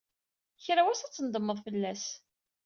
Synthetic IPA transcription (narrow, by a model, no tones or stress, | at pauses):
çɾawæsæt͡sːənd̪əmːəðˤfəlːæs